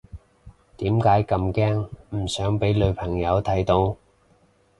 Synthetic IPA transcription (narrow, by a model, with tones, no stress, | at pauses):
t̪iː˨˥mkaː˨˥jkɐ˧mkɛː˥ŋm̩˨˩sœː˨˥ŋpe˨˥jlɵ˨˧ɥpʰɐ˨˩ŋjɐ˨˧wt̪ʰɐ˨˥jt̪o˧˥w